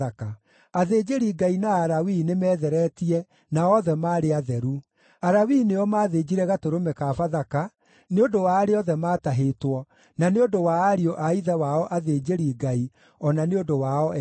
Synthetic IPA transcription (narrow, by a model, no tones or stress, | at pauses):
aka | aðeːd͡ʒeɾiɡainaːɾawinemɛːðɛɾɛtiɛ | naɔðɛmaːɾeaðɛɾu | aɾawineɔmaːðeːd͡ʑiɾɛɣatoɾomɛkafaðaka | neodowaːɾeɔðɛmaːtaɦetwɔ | naneodowaːɾiɔʔaiðɛwaɔʔaðeːd͡ʑeɾiɡai | ɔnaneodowaɔ